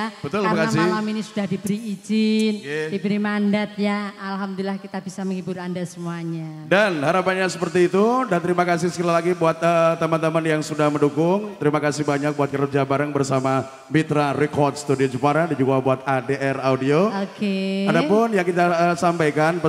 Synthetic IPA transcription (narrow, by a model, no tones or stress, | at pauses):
bətt̪ʊlmakaasɪlaminisudahdibəɾiːd͡ʒɪnkdibəɾimandat̪̚ɲaalɦamd̪ʊlilahkit̪abisaməŋibʊɾandasəmuaɲadanhaɾapanɲasəpərt̪iːt̪udant̪əɾimakasɪhsə̥kəlalaɡibuat̪̚ət̪əmant̪əmanjaŋsudahməndukʊŋt̪əɾimakasɪhbaɲak̚buat̪̚kəɾud͡ʒabaɾaŋbərsama | mit̪ɾaɾɛkɔrt̪̚sə̥t̪udiod͡ʒupaɾadaɲd͡ʒuɡabuat̪̚adeʔɛraudiookeadapʊnjaŋkit̪aəsampajkanp